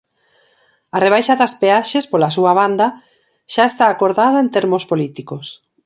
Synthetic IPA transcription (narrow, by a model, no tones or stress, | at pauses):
areβ̞ajʃaðaspeaʃespolasuaβ̞and̪ɐ | ʃaest̪aːkoɾðaðɐent̪eɾmospolit̪ikos